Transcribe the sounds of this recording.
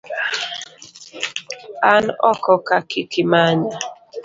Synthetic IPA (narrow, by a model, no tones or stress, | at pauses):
anɔkɔkakikimaɲa